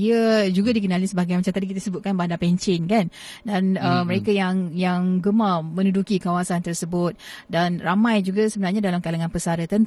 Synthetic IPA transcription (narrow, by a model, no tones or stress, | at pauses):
iəd͡ʒuɡadik̬ənalisəbaɡajmat͡ʃamt̪adikit̪əsəbʊt̪̚kanbandapɛɲt͡ʃɪnkan | danəməɾekajaŋjaŋɡəmamə̃nudukikawasant̪ərsəbʊt̪̚danramãjd͡ʒuɡasəbənarɲadalamkalaŋanpəsaɾət̪ən